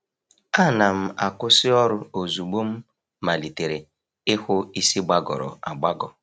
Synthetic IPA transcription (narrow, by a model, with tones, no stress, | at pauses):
a˦˨na˨m̩˦˨a˨kʊ˦sɪ˦ɔ˦ɾʊ˦o˨zu˨ɡ͡bo˦m̩˦ | ma˨li˨te˨ɾe˨ | ɪ˦hʊ˦i˦si˦ɡ͡ba˦ɡɔ̰˨ɾɔ̰˨a˨ɡ͡ba˦ɡɔ˨